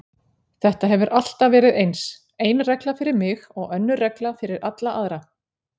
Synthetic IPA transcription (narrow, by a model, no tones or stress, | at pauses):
θɛht̪aɦɛvʏɾʔal̥t̪avɛːɾɪðejns | ejnrɛklafɪɾɪɾmɪɣɔɣœnːʏrɛklafɪɾɪɾʔat̪laʔaðɾa